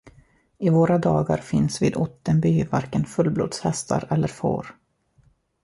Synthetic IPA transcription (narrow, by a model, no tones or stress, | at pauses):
ɪvoːɾad̪ɑːɡaɾfɪnsviːd̪ʊt̪ːənbyːvaɾkənfɵlːblo̰ːd̪shɛst̪ʰaɾɛlːəɾfo̰ːɾ